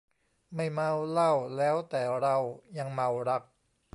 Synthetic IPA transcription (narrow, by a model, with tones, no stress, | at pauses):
ma˥˩jma˧wla˥˩wlɛː˦˥wt̪ɛː˨˩ɾa˧wja˧ŋma˧wɾa˦˥k̚